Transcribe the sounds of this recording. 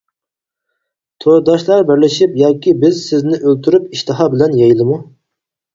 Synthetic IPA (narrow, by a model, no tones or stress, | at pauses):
t̪ʰoɾd̪ɑʃlˠɑɾbæɾlɪʃipjɑːkʲʰibɪzsɪznɪʔølt̪ʰyɾypiʃt̪ɨɦɑbɪlɛnjɑjilˠɨmu